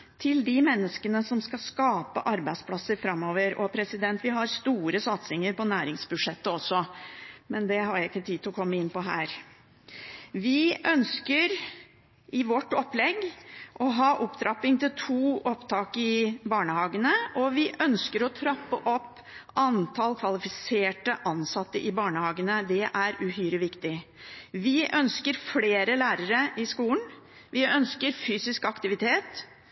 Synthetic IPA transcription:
t̪ʰɪld̪ɪmɛnːəskənəsɔmskɑskɑːpə̰ʔɑɾbæɪd̪spʰlɑsːəɾfɾɑmːoːʋəɾɔpʰɾɛsɪd̪ɛnt̪ʋɪɦɑɾst̪uːɾəsɑt̪sɪŋəɾpɔnæːɾɪŋsbʉʂɛt̪ːəɔsːɔmɛnd̪ɛɦɑɾɪkːət̪ʰiːd̪ɪlɔkʰɔmːəɪnːpɔɦæːɾ | ʋɪʔœnskəɾ | ɪʋɔʈːɔpːlɛɡːʔɔɦɑːʔɔpːd̪ɾɑpɪŋt̪ʰɪlt̪ʰuːʔɔpt̪ʰɑːkɪbɑːɳəhɑːɡənəɔʋɪʔœnskəɾɔt̪ʰɾɑpːəʔɔpː | ɑnt̪ʰɑlkʰʋɑlɪfɪseːʈəʔɑnsɑt̪ːəʔɪbɑːɳəhɑːɡənəd̪ɛʔæɾʉhyːɾəʋɪkt̪ɪʋɪʔœnskəɾfleːɾəlæːɾəɾəʔɪskuːln̩ | ʋɪœnskəɾfyːsɪskɑkt̪ɪʋɪt̪ʰeːt̪

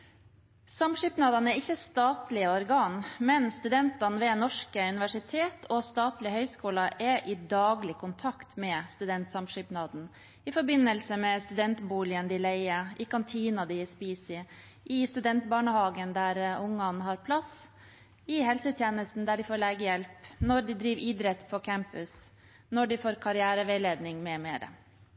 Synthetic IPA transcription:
sɑmʂʏːpnɑːd̪ɑnæɾɪçːəst̪ɑːt̪lɪəɔɾɡɑːnmɛnst̪ʉd̪ɛnt̪ɑnʋɛːnɔʂkəʉnɪʋæʂɪt̪ʰeːt̪ʰɔst̪ɑːt̪lɪhœʏskuːlɑʔɛʔɪd̪ɑːɡlɪkʰʊnt̪ʰɑkt̪mɛst̪ʉd̪ɛnt̪sɑmʂʏpnɑːd̪n̩ | ɪfɔɾbɪnːəlsəmɛst̪ʉd̪ɛnt̪buːlɪənd̪ɪlæɪəʔɪkɑnt̪ʰiːnɑd̪ɪspiːsɪ | ʔɪst̪ʉd̪ɛnt̪bɑːɳəhɑːɡənd̪æɾʊŋːɑnɦɑɾpʰlɑs | ɪhɛlsət̪ʰjeːnəst̪n̩d̪æɖɪfoːɾɭɛɡəjɛlpnɔɖɪd̪ɾiːʋʔiːd̪ɾɛt̪ːpʰɔkʰæmpʉs | nɔɖɪfoːɾkʰɑɾɪæːɾəʋɛleːd̪nɪŋmɛmeːɾə̰

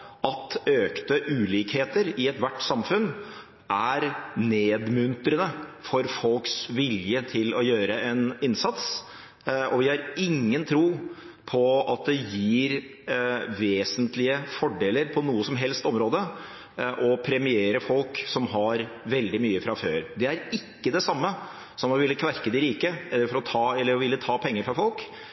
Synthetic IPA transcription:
ɑt̪øːkt̪əʔʉːliːkheːt̪əɾɪɛt̪ʋæʈːsɑmfʉn | ʔæɾneːd̪mʉnt̪ɾənəfɔɾfɔlksʋɪljət̪ʰɪlɔjøːɾəɛnɪnsɑt̪s | ʔɔʋɪhɑɾɪŋːənt̪ʰɾuː | pʰɔɑt̪̚d̪ɛjiːɾ | ʋeːsənt̪lɪəfɔɖeːləɾpʰɔnuːəsɔmɦɛlst̪ɔmɾoːd̪ə | ʔɔpʰɾɛmɪeːɾəfɔlksɔmɦɑɾ | ʋɛld̪ɪmyːəfɾɑføːɾd̪ɛæɾɪkːəd̪ɛsɑmːə | sɔmɔʋɪlːəkʰʋæɾkəd̪ɪɾiːkəɛlːəɾfɔɾɔt̪ʰɑːɛlːəɾʋɪlːət̪ʰɑːpʰɛŋːəɾfɾɑfɔlk

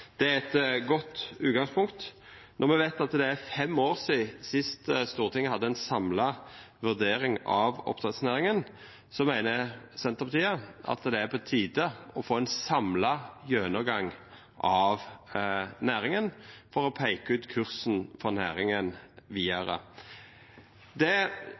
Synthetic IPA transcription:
d̪̥ɛæɛt̪ɡɔt̪ːʉːt̪ɡɑŋspʰʊŋkt̪nʔɔʁmɛʋæɪt̪ɑt̪d̪ɛæfɛmoːɾsiːsɪst̪əst̪uːʁt̪ʰɪŋːəhɑd̪ːəɛɪnsɑmlɑ | ʋʉʁd̪eːɾɪŋɑ̰ʋɔ̰pt̪ʰʁɛt̪snæːɾɪŋən | sɔmæɪnəsɛnt̪əʁpɑt̪ʰiːəʔɑ̰t̪d̪ɛæɾpʰɔt̪ʰiːd̪əɔfoːɛnsɑmlɑjøːnəɡɑŋ | ʔɑʋ | næːɾɪŋənfɔʁɔpʰæɪkəʉːt̪kʰʉʁsn̩fɔʁnæ̰ːɾɪŋənʋiːəɾə̰ | d̪ɛ

